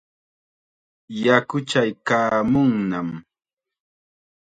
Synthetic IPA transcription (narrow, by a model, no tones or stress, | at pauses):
jakʊt͡ʃajkaːmʊŋnam